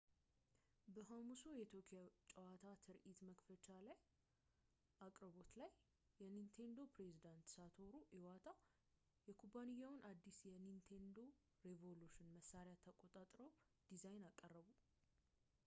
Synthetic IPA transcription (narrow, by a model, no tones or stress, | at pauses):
bəɦamusojɛt̪ʰjokʰʼjat͡ʃʼəwat̪ʰat̪ʰɨɾʔit̪məkfət͡ʃalaj | ʔakʼɾəβo̞t̪lajː | ɛnint̪ʰe̞nd̪o̞pɾe̞zid̪ant̪sat̪ʰo̞ɾuʔɪwat̪ʰa | jɛkʰubanijːawʊnʔad̪ːisjɛnint̪ʰe̞nd̪o̞ | ɾevo̞luʃɪnməsːaɾejat̪ʰəkʼot̪ʼat̪ʼɾəw | d̪̥izajnakʼːərːəβu